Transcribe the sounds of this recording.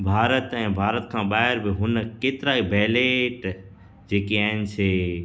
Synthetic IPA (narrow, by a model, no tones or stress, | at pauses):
bʱaːɾət̪ɛ̃ːbʱaːɾət̪kʰãːɓaːɦɪɾbɪɦʊnkeːt̪ɪɾaːibɛːleʈ | d͡ʑeːkiaːɦɪnɪ̆t͡ʃʰeː